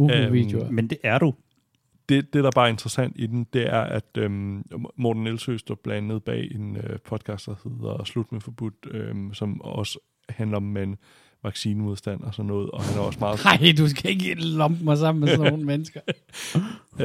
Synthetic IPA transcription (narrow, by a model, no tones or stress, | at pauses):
uʋḭd̥jomend̥e̝ʔæɐɾ̥u | d̥e̝d̥e̝ɾ̥ɑ̈b̥ɑ̈ːɐe̝nd̥ʁɐsæn̰d̥id̥em̩d̥e̝æɐʔæd̥ømɒd̥n̩ːelsøsd̥ɒb̥lænəð̞̩ˠb̥ɛ̰ːe̝nøpʰɒ̽d̥̚ˠkʰɑːsd̥ɑ̈he̝ð̰ˠɐslud̥mefɒ̽b̥ud̥øsɒ̽mɒ̽sə | hænlɐɒ̽mːen | ʋɑ̈ɡ̥siːnəuð̞ˠsd̥æn̰ɒsɒ̽nːɔ̽ːð̩ˠɒ̽hænæɐɒ̽smɑ̈ːð̩ˠɑɪd̥us̬ɡ̥æeɡ̥nlɔmb̥mɑ̈ɪsɑ̈m̰n̩mesnoːn̩menəsɡ̥ɐ